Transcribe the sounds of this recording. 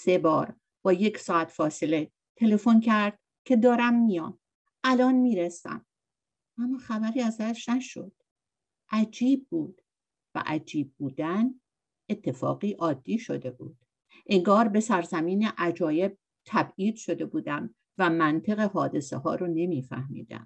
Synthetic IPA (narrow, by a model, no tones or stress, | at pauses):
se̞bɒːɾ | b̥ɒːje̞csɒːæt̪ʰfɒːse̞le̞ | t̪ʰe̞le̞fo̞ncʰæɾd̪̥̚ | cʰe̞d̪ɒːɾæmːijɒ̰ːm | ʔælɒːnmiːɾesæ̰m | ʔæmːɒːxæbæɾiːæzæʃnæʃo̰d̪̥ | ʔæd͡ʒiːb̚ːuːd̪̥ | væ̰ʔæd͡ʒiːb̚ːuːd̪æn | e̞t̪ʰːe̞fɒ̰ːɣiːʔɒːd̪̥ːiːʃo̰d̪e̞bṵːd̪̥ | ʔe̞ŋɡɒːɾbe̞sæɾzæmiːneʔæd͡ʒɒːje̞b̚ | t̪ʰæbiːd̪̥ʃo̞d̪e̞buːd̪æm | væmænt̪ʰe̞ɣe̞ɦɒːd̪e̞sḛhɒ̰ːɾone̞miːfæ̰hmḭːd̪æ̰m